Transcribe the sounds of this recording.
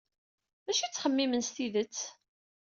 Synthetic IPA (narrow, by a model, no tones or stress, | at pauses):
mæʃit͡sːχəmːimənst̪iðət͡sː